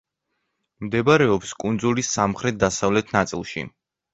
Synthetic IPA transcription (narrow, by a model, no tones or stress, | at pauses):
md̪ɛbaɾɛɔpskʼund̪zulisːamχɾɛt̪̚d̪asavlɛt̪ʰnat̪sʼilˠʃḭ